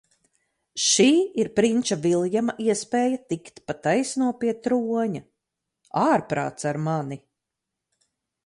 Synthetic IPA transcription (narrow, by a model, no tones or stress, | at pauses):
ʃiːiɾpɾint͡ʃavilˠjamaʔiɛspɛːjat̪ikt̪pat̪ajsnuɔpiɛt̪ɾuɔɲa | aːɾpɾa̰ːt̪saɾmani